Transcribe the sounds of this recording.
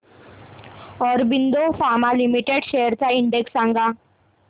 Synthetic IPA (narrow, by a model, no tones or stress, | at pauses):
ɔːɾbɪnd̪ofʰaːmalimiʈeɖʃeɦəɾt͡ʃaɪ̃ɳɖeksãːŋɡa